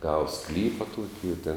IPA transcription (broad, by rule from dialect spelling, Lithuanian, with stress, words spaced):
ˈɡɑːʋɐ ˈsklʲiːpɐ ˈtuɔkʲɪ ɪ tʲeːn